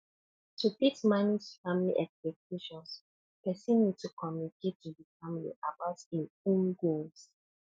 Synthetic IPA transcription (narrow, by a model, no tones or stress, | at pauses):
tupitmanisfamilḭʔɛkspɛk̚ʰjuʃɔ̃ns | pɛsɔ̃nːid̚tukʰɔmjuniketʰːuðifamilḭʔabaʊtĩnũnɡuls